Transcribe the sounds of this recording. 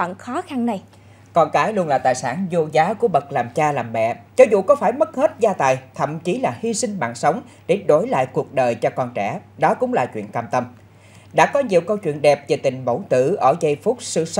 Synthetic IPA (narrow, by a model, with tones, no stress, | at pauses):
ɔ̰ː˧˨nxɔ˨˦xa˧nna˨˩j | kɔ˧nkaː˨˦jlu˧ənlaː˨˩t̪a̰ː˧˨jsaː˧˩nzo˧zaː˨˦ku˧˩əɓə˨˩k̚laː˨˩mt͡ɕaː˧laː˨˩mːɛ̰˧˨zɔ˨˦zṵ˧˨kɔ˨˦faː˧˩jmə˦˥t̚he˦˥t̚zaː˧t̪aː˨˩jt̪ʰə̰˧˨mt͡ɕi˨˦laː˨˩hi˧sï˧ŋ̟ɓa̰ː˧˨nsə˨˦wŋ͡m | ɗe˧˩ɗo˧˩˦jla̰ː˧˨jku˨˩ək̚ɗəː˨˩jt͡ɕɔ˧kɔ˧nt͡ɕɛ˧˩ɗɔ˨˦kʊ̰˧˥ŋ͡mlaː˨˩t͡ɕwḭ˧˨ənkaː˧mt̪ə˧m | ɗa̰ː˧˥kɔ˨˦ɲi˨wkə˧wt͡ɕwḭ˧˨ənɗɛ˨˩p̚ve˨˩t̪ï˨˩ŋ̟mo̰˧˩wt̪ɨ̰˧˨ʔəː˧˩zə˧jfʊ˦˥k͡p̚sɨ̰˧˨sə˦